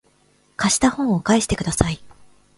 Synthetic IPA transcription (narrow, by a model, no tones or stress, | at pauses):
kaɕi̥t̪ahõ̞ɰ̃okaeɕi̥t̪e̞kɯ̟d̪asai